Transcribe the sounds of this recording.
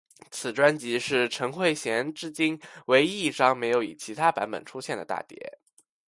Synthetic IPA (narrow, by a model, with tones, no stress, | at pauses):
t͡sʰɹ̩˨˩ʈ͡ʂwa˥nt͡ɕi˧˥ʂɻ̩˥˩ʈ͡ʂʰɤ˧˥ŋxwe˥˩ɪɕjɛ˧˥nʈ͡ʂɻ̩˥t͡ɕi˥nwe˧˥ɪi˥˩ʂɑ˥ŋme˧˥ɪjo˧˥ʊḭ˨˩t͡ɕʰi˧˥t̪ʰa˥pa̰˧˥npə̰˨˩nʈ͡ʂʰu˥ɕjɛ˥˩nd̪ə̰˩t̪a̰˥˩t̪jɛ̰˧˥